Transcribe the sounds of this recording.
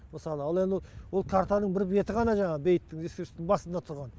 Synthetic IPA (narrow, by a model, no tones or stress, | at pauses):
məsɑlˠəɑlˠe̞nd̪ɪwo̞lˠkʰaɾt̪anəɴbɪɾbe̞t̪ɪʁɑnɑʒɑɴɑʁəbe̞jt̪ːɪŋeskʲeɾɪst̪ɪŋbɑsənd̪ɑt̪ʰʊɾʁɑn